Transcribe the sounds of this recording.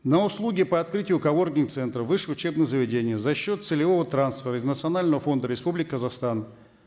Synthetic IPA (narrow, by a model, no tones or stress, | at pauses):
nəʊslˠuɡʲɪpəɐt̪kɾɨtʲɪjʊkɐvo̞rɡʲnʲɪŋk̚t̪sɛnt̪ɾəvɨʂɨʊt͡ɕe̞bnɨjzəvʲɪdʲenʲɪjəzɐɕːot̪sɨlʲɪvo̞vət̪ɾansfʲɪɾəɪznət̪sɨɐnalʲnəvəfo̞nd̪əɾʲɪspublʲɪkʲɪkəzɐxst̪an